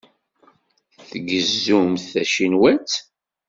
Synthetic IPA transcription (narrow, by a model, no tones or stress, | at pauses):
θθɡəzːumθθæʃinwæt͡s